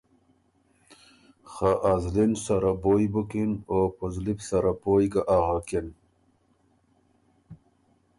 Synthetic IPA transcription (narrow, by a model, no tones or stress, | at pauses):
xaʔazlinsaɾabojbukinopozlipsaɾapojɡaʔaɣakin